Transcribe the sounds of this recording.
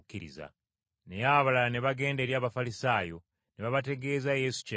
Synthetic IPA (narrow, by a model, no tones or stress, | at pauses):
cːiɾḭza̰ | ne̞jaβalane̞βaɡe̞ːnde̞ɾjaːβafalisaːjo̞ | neβaβate̞ɡe̞ːzaje̞su̥ca